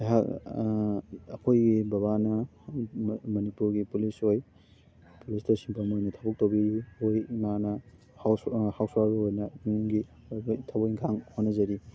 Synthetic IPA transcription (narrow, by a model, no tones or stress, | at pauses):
ɦa | ɐpʰojɡibɐβanɐ | mɐnipuɾɡipulisoj | pulistɐsimpʰɐmojnɐtʰabɐk̚towbiojmanɐ | hawhawswaɾuojnɐɡi | tʰabojŋkʰaŋhonːɐzɐɾi